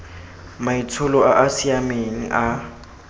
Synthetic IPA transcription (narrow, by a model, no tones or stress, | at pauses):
mait͡sʰʊlɔaʔasiameŋ̩ʔa